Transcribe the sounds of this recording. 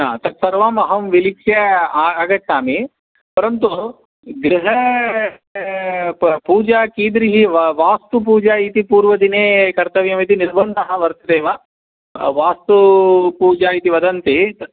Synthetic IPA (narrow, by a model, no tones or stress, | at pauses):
at̪ɐt̪sɐɾʋaːmɐɦɐmʋilikʂjɐaaɡɐtnaːmi | pɐɾɐnt̪u | ɡɾiɦɐ | puːd͡ʒaːkiːd̪ɾiɦiʋaːst̪up̬uːd͡ʒaːit̪ipuːɾʋɐd̪ineːkɐɾt̪ɐʋjɐmit̪iniɾbɐnd̪ɐɦɐ̆ʋɐɾt̪ɐd̪eːʋa | ʋaːst̪upuːd͡ʒaːit̪iʋɐd̪ɐnt̪e